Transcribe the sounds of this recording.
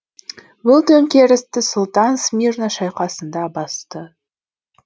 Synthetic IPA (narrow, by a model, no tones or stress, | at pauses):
bʊlˠt̪ʰɵŋkʲeɾɪst̪ɪsʊlˠt̪ɑnsmʲirnaʃɑjqɑsənd̪ɑbɑst̪ə